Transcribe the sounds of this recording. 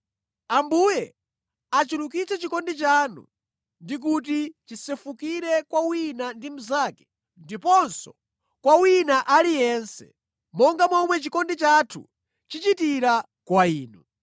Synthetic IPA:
ambuːjɛ | at͡ʃilukit͡sʰɛt͡ʃikɔndit͡ʃanṵ | ndik̬ut̬it͡ʃisɛfukiɾɛkwawinandim̩zaːkɛ̥ | ndipɔnsɔ | kwawinaʔalijɛnsɛ̰ | mɔŋɡamɔmwɛt͡ʃikɔndit͡ʃatʰṵ | t͡ʃit͡ʃitiɾa | kwaiːnu

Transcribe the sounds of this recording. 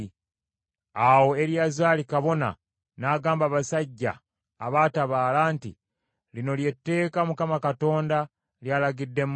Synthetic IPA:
awo̞e̞ɾjazaːlikaβo̞na̰ | naːɡaːmbaβasaɟːa̰ː | βaːtaβaːlaːnti | lino̞lje̞tːe̞ːkamukamakato̞ːnda | ljalaɡidːe̞m

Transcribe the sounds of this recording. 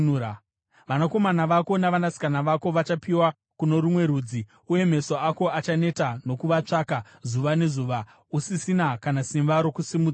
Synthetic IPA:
ʋanako̞manaʋako̞naʋanasi̥kanaʋako̞ʋat͡ʃapiwa | kuno̞ɾumwe̞ɾuːd͡zi | uje̞m̤e̞soako̞at͡ʃane̞tano̞kuʋat͡ʂakazuʋane̞zuʋa | usisinakanasimbaɾo̞kusimuːd͡za

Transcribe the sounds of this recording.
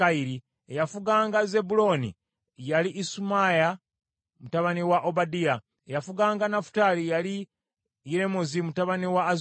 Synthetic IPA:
aiɾi | ejafuɡaːŋɡaze̞bulo̞ːnḭ | jaliʔːsumaja | mutaβaniwaʔobadia | ejafuɡaːŋɡanafu̥taːlijali | iɾe̞mozimutaβaniwaːz

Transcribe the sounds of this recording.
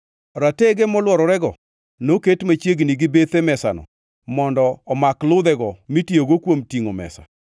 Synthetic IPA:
ɾateɡɛmɔlwɔɾɔɾɛɡɔ | noketmat͡ʃjeɡniɡɪbet̪emɛsa̰nɔ̰ | mɔndɔːmaklʊd̪ɛɡɔmitjoɡokwomtiŋomɛ̰sa̰

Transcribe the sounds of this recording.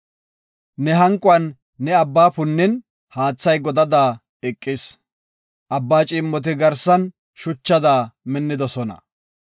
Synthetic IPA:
nɛɦɐŋkʼʊɐnː | ɛɐbːaːpʊnːɪn | haːt͡sːɐjɡɔd̪ɐd̪aː | ɛkʼːɪs | ʔɐbːaːt͡ʃʼɪːmːɔt̪̬ɪɡɐɾsɐn | ʃʊt͡ʃːɐd̪aːmɛnːɪd̪ɔsɔnɐ̰

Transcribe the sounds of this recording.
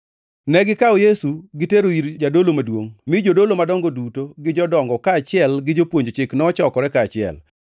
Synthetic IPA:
nɛɡɪkaɔjesuɡɪteɾoiɾd͡ʒadolomadwoŋmɪd͡ʒodolomadɔŋɡodutoɡɪd͡ʒɔdɔŋɡɔkaːt͡ʃɪɛlɡɪd͡ʒopwoɲd͡ʒot͡ʃɪknɔːt͡ʃɔkɔɾɛkaːt͡ʃɪɛ̰l

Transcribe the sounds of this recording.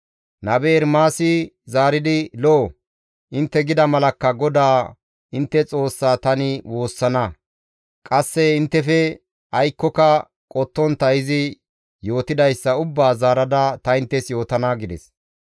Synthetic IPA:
nɐbeːɾmaːsɪzaːɾɪd̪ɪloː | ʔɪnt̪ːɛɡɪd̪ɐmɐlɐkːɐɡɔd̪aː | ɪnt̪ːɛt͡sʼo̞ːsːaːt̪ɐnɪwo̞ːsːɐnɐ | kʼɐsːɛɪnt̪ːɛfɛ | ʔɐjkːɔkɐ | kʼɔt̪ːɔnt̪ɐjɪzɪ | jo̞ːt̪ɪd̪ɐjsːɐʊbːaːzaːɾɐd̪ɐt̪ɐɪnt̪ːɛsjo̞ːt̪ɐnaɡɪd̪ɛ̰s

